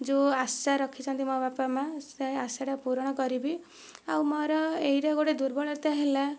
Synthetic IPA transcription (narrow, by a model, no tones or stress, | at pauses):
d͡ʒuasaɾɔkʰit͡ʃʰɔnt̪imɔbapamaseasaʈapuɾɔɽ̃ɔkɔɾibi | awmɔɾɔejɾaɡoɽed̪uɾbɔɭɔɾt̪aɦela